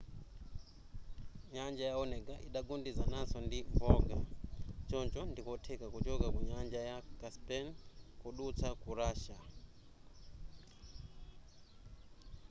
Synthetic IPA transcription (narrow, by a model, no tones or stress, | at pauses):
ɲand͡ʒajaɔnɛɡaʔiɗaɡundizanazɔndiɱvɔːɡat͡ʃɔnt͡ʃɔndikɔtʰɛkakut͡ʃɔkakuɲand͡ʒajakaspɛnkuɗut͡sʰakuɾaːʃa